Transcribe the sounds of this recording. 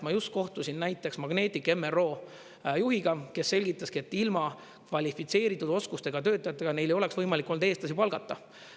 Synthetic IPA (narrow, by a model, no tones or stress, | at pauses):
mɑjust̪̚ko̞ht̪usʲinnæjt̪ːˑe̞ksmɑɡne̞ːt̪ʲːˑike̞mero̞ː | juɦiɡ̥ɑke̞sːe̞lʲɡ̥it̪ːˑɑskiet̪ːˑilmɑ | kvɑlʲifit̪se̞ːɾit̪ːˑud̪̥o̞skust̪e̞ɡ̥ɑt̪ø̞ːt̪ːˑɑjɑt̪ːˑeɡ̥ɑne̞jlejo̞le̞ksvɤjmɑlikːˑo̞nd̪eːst̪lɑsipɑlɡ̥ɑt̪ːɑ